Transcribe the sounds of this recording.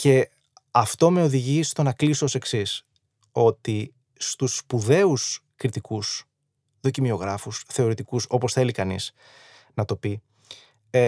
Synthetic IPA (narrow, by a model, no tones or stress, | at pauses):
ce̞ | ɐft̪o̞me̞o̞ðiʝist̪o̞nɐklisoose̞ksis | o̞t̪i | st̪usːpuðe̞us | kɾit̪ikus | ðo̞cimio̞ɣɾɐfusθe̞o̞ɾit̪ikuso̞po̞sθe̞likɐnḭz̥ | nɐt̪o̞pi